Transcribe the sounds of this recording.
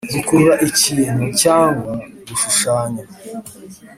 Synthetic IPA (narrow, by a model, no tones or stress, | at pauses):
zikuɾuɾaʔiciːn̥hucaːŋɡwwaβuʃuʃaːɲa